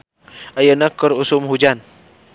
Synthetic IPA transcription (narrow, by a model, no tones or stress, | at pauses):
ajənakːəɾusʊmhud͡ʒan